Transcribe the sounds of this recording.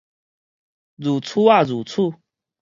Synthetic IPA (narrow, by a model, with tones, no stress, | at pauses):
zu˨˩t͡sʰu˥˦a˥˨zu˨˩t͡sʰu˥˧˨